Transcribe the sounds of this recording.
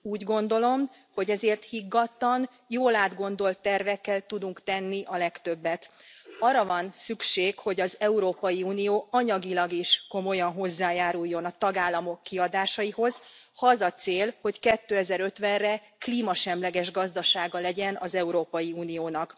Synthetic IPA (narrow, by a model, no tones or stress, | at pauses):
uːɟɡo̞nd̪o̞lo̞m | ho̞ɟɛzeːrt̪hiɡːɒt̪lɒn | joːlaːd̪ɡo̞n̪d̪o̞lt̪ːɛrvɛkːɛlt̪ud̪uŋkt̪ɛnːiʔɒlɛkt̪ø̞bːɛt̪ɒrːɒvɒnsykʃeːkho̞ɟɒzɛuɾoːpɒjiuːnijoːɒɲɒɡilɒɡiʃko̞mo̞jɒnɦo̞zːaːjaːɾujːo̞nɒt̪ɒɡaːlːɒmo̞kːiɒd̪aːʃɒjiho̞zhɒɒzɒt̪seːlho̞ckɛt̪ːøːɛzɛɾø̞t̪ʋɛnrɛ | kliːmɒʃɛmlɛɡɛʒɡɒzd̪ɒʃaːɡɒlɛɟɛnɒzɛuɾoːpɒjiuːnijoːnɒk